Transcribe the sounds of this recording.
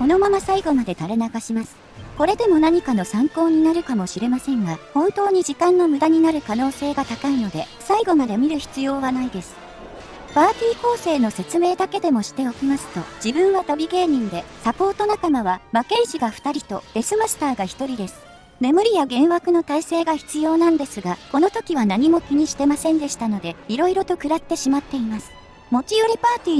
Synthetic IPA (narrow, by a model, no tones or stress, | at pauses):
ko̞no̞mamasaiɡo̞mad̪e̞t̪aɾe̞nakaɕimasɨ̥ | ko̞ɾe̞d̪e̞mo̞naɲ̟ikano̞sãŋko̞ːɲ̟inaɾɯ̟kamo̞ɕiɾe̞masẽ̞ŋɡahõ̞nt̪o̞ːɲ̟id͡ʑikãnːo̞mɯ̟d̪aɲ̟inaɾɯ̟kano̞ːse̞ːɡat̪akaino̞d̪e̞ | saiɡo̞mad̪e̞mʲiɾɯ̟çi̥t͡sɨjo̞ːβanaid̪e̞sɨ̥ | b̥aːt̪ʲiːko̞ːse̞ːno̞se̞t͡sɨme̞ːd̪ake̞d̪e̞mo̞ɕi̥t̪e̞o̞kʲimasɨ̥t̪o̞d͡ʑibɯ̟̃ɰ̃βat̪obʲiɡe̞ːɲ̟ĩnd̪e̞sapo̞ːt̪o̞nakamaβ̞amake̞ʑiɡaɸɯ̥t̪aɾʲit̪o̞̰ɾe̞sɨmasɨ̥t̪aːɡaçi̥t̪o̞ɾʲid̪e̞sɨ̥ | ne̞mɯ̟ɾʲijaɡẽ̞ɰ̃βakɯ̟no̞t̪aise̞ːɡaçi̥t͡sɨjo̞ːnãnd̪e̞sɨɡako̞no̞t̪o̞kʲiβanaɲ̟imo̞kʲiɲ̟iɕi̥t̪e̞masẽ̞nd̪e̞ɕi̥t̪ano̞d̪e̞iɾo̞iɾo̞t̪o̞kɯ̟ɾat̪ːe̞ɕimat̪ːe̞imasɨ̥ | mo̞kʲiɯɾʲipaːt̪ʲiː